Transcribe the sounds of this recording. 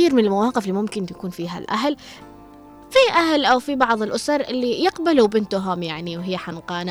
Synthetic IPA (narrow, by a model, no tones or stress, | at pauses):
iːɾmɪnɪlmawɑːqɪflːiːmʊmkɪnt̪akuːnfiːɦa̰lʔaɦl | fiʔahlʔawfibɑʕðˤɪlʔʊsɑɾˤʔɪlːijɪqbalubɪnt̪ʊɦʊmjaʕniwɦɪjːaħanqɑːna